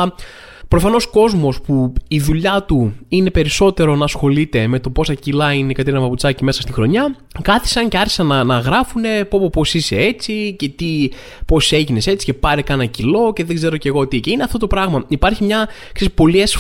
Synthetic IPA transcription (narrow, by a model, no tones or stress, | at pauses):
pɾo̞fɐno̞sko̞zmo̞spuiðuʎɐt̪uine̞pe̞ɾiso̞t̪e̞ɾo̞nɐːsxo̞lit̪e̞me̞t̪o̞po̞sɐcilɐinekɐt̪eiɾinɐpɐput͡sɐcime̞sɐst̪ixɾo̞ɲɐ | kɐθi̥sɐnceɐɾçi̥sɐnɐnɐɣɾɐfune̞popopo̞sise̞e̞t͡sice̞t̪i | po̞se̞ʝine̞se̞t͡si̥ce̞pɐɾekɐnɐcilo̞ce̞ðe̞ɡze̞ɾo̞ce̞ɣo̞t̪ice̞ineɐft̪o̞t̪o̞pɾɐɣmɐipɐɾçimɲɐksespo̞lies